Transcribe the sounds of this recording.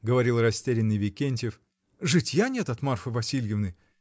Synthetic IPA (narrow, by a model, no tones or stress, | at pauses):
ɡəvɐɾʲilˠrɐsʲtʲeɾʲɪnːɨjvʲɪkʲenʲtʲɪf | ʐɨtʲjanʲet̪ɐt̪marfɨvɐsʲilʲjɪvnɨ